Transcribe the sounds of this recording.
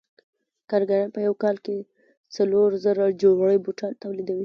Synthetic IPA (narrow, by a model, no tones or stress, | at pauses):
kaɾɡaɾanpəjawkɑlke | t͡saloɾzəɾad͡ʒoɡɽəjbuʈɑnt̪awlid̪awi